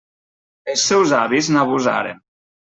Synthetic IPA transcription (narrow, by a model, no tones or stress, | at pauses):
elsːɛwzaβiznaβuza̰ɾḛn